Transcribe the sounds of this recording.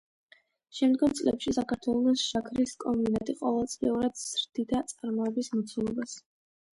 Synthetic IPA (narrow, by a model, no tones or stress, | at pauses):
ʃɛmd̪ɡɔmt̪sʼlɛ̰pʃisakʰaɾt̪ʰwɛlˠɔsʃakʰɾiskʼɔminat̪ʼiqʼɔvɛlˠt̪sʼlḭuɾad̪z̥ɾd̪̥id̪at̪sʼaɾmɔɛbismɔt̪sʰulˠɔbas